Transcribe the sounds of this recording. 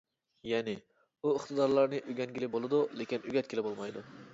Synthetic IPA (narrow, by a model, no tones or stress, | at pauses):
jɛːnɪ | uɪχt̪ɨd̪ɑɾlˠɑɾnɨʔyɡʲɛnɡʲilɪbolˠɨd̪ulekʲinyɡʲɛt̪̚kʰʲelɪbolˠmɑjd̪u